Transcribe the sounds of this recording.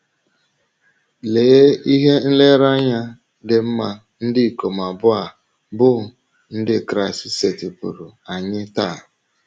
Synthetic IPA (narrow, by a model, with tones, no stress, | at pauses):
le˨˦i˦ɦe˦n̩˦le˦ɾa˦ɲa˦ | dɪ˦m̩˦ma˦ | n̩˦dɪ˦˨ko˨ma˨bʊ˦a˨ | bʊ˦˨ | n̩˦dɪ˦˨kɾa˨ɪ˨sɪ˦se˨tɪ˨pṵ˨ɾu˨a˨ɲɪ˦ta˦˨